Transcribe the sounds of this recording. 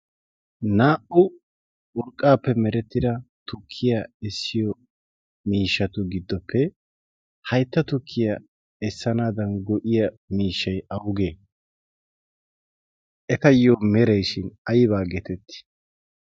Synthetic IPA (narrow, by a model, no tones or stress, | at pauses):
naːʔʊ | ʔʊɾkʼːaːpːɛmɛɾɛt̪ːɪd̪ɐt̪ʊkʰːɪjaɛsːɪjɔ | miːʃːɐt̪ʊɡɪd̪ːɔpːɛ | hɐjt̪ːɐt̪ʊkʰːɪjɐ | ɛsːɐnaːd̪ɐnɡɔʔɪjɐ | miːʃːɐjɐwɡeː | ʔɛkɐjoːmɛɾɐjʃɪnɐjɪβaːɡɛt̪ɛt̪ːɪ̥